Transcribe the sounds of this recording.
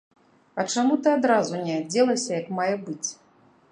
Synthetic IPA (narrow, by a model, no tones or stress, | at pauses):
ɐt͡ʂamut̪ɨad̪ɾazunʲɛad͡zʲɛlˠɐsʲɐjɐkmajɛbɨt͡sʲ